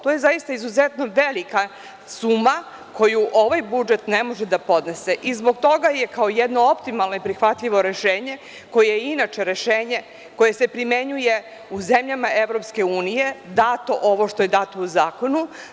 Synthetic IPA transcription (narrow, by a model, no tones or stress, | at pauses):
t̪ojezajist̪aizuzet̪no̞ʋelika | suːma | kʰo̞juʔo̞ʋajbud͡ʒet̪nemo̞ʒed̪apo̞d̪ne̞se̞ʔizbo̞ɡ̚t̪o̞ɡajekaojed̪no̞o̞pt̪imalˠnoipɾixʋat̪ʎiʋo̞ɾe̞ʃeːɲe̞ | ko̞jeinat͡ʃe̞ɾe̞ʃeːɲe̞ | ko̞je̞se̞pɾime̞ɲuje̞ | uzemʎamaʔe̞ʋɾo̞pske̞uːnije̞d̪aːt̪o̞ʔo̞ʋo̞ʃt̪o̞jed̪at̪ouzaːko̞nu